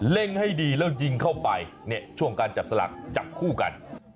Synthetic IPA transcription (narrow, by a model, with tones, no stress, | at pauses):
le˥˩ŋha˥˩jdiː˧lɛː˦˥˩ji˥˩ŋkʰa˥˩wpa˧jni˥˩ət͡ɕʰu˥˩əŋkaː˧nt͡ɕa˨˩p̚sa˧la̰˨˩k̚t͡ɕa˨˩p̚kʰuː˥˩ka̰˧n